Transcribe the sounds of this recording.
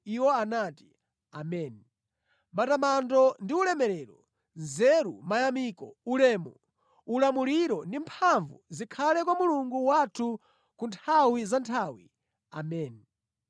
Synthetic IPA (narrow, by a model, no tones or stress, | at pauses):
iwɔanaːti̥ | amɛːni | matamandɔndiulɛmɛɾɛɾɔ | nzɛɾṵmajamikɔ̰ulɛːmɔ | ulamuliɾɔndimpʰaɱvuzikʰalɛkwamuluŋɡuwatʰu | kuntʰawizantʰawḭ | a̰mɛːni